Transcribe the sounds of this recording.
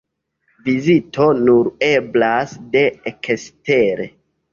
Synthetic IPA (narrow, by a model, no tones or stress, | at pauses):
vizito̞nuɾe̞blasde̞ekʰesteɾḛ